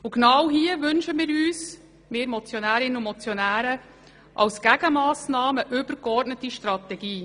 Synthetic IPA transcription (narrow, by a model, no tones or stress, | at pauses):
ʊɡnɑwɦiəʋʏnʃəmɪːɾyːs | meːɾmɔt͡sjɔnæːɾɪnəʊmɔt͡sjɔnæːɾə | ʔɑ̰wsɡ̥æɡ̥əmɑːsnɑːməʔʏbəɾkɔɾtnətiʃtɾɑt̪ɛɡiː